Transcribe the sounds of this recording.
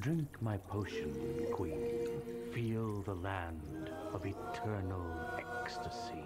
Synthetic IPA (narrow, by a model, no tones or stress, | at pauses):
dɹɪ̃ŋkmaɪpʰoʊʃɨ̃nkʰw̥ĩk | filˠðəlæ̃n | d | ʌvɨtʰɜ˞nl̩ˠɛkstɨsi